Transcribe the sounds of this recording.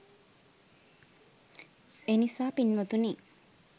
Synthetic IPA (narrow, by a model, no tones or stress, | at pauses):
enisaːpinmɐt̪uniː